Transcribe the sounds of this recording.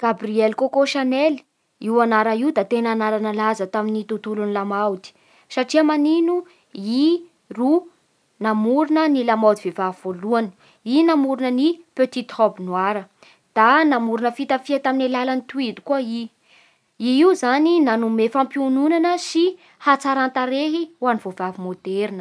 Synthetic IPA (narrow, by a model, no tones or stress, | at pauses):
ɡ̥abriɛlkokoʃanel | iwanaɾaiud̪at̪enanaɾanalazət̪aminit̪ut̪ulunilamawd̪i̥ | saʈ͡ʂiamaninu | i | ru | namuɾunənilamawd̪ivevav̥oluanə̥ | inamuɾunənipøt̪it̪ɔbnwaɾə | d̪̥anamuɾuinəfit̪afiat̪aminalalanit̪uid̪u̥kuai | iiwzaninanumefampiununanəsi | hat͡saɾant̪aɾeɦiwanivovavimod̪eɾinə